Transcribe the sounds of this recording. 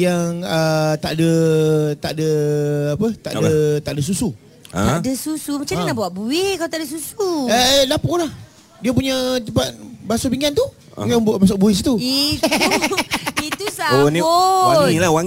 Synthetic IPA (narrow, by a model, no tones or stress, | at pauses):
jaŋət̪aʔdət̪aʔdəapət̪a̰ʔdət̪aʔdəs̬usṵ | adəsusumat͡ʃadanabawaʔbuɪkalot̪adəsusuəlapɔlah | diap̬uɲət̪əpat̪̚basupiŋɡant̪ṵ | jabuʔbas̬aʔ̚buɪsit̪ui | it̪usaoniwailawaŋ